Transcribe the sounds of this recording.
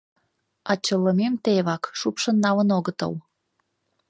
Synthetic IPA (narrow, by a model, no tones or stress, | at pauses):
ɑt͡ɕəlːəmemt̪eβɑkʃupʃənːɑlənoɣət̪ə̰l